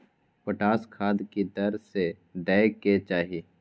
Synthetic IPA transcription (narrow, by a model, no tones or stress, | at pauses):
pəʈaːskʰaːd̪kid̪ɐɾse | d̪ɛːket͡ʃaːɦieː